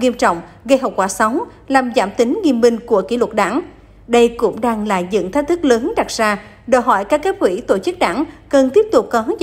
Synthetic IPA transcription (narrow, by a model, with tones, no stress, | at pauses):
ŋi˧əmt͡ɕɔ̰˧˨wŋ͡mɣə˧jɦa˨˩wk͡p̚kwaː˧˩sa˨˦wŋ͡m | laː˨˩mza̰ː˧˩mt̪ï˨˦ŋ̟ŋi˧əmɓï˧ŋ̟ku˧˩əkḭ˧˩lwə˨˩t̚ɗa̰ː˧˩ŋ | ɗə˧jkʊ̰˧˥ŋ͡mɗaː˧ŋlaː˨˩zɨ̰˧˨ŋt̪̚ʰt̪ɨ˦˥k̚ləː˨˦nɗa˨˩t̚z̥aː˧ | ɗəː˨˩jɦɔ̰˧˩jkaː˦˥kːaː˦˥k̚kwḭ˧˩t̪o˧˩t͡ɕɨ˦˥k̚ɗa̰ː˧˩ŋkə˨˩nt̪i˦˥əp̚t̪ʊ˨˩k͡p̚kɔ˨˦